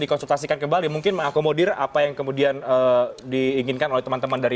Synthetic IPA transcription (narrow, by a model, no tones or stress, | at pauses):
dikɔnsult̪asikankəmbalimuŋkɪnməŋakomodɪra̰pajaŋkəmudianədiːŋɪnkanolɛht̪əmant̪əmandaɾi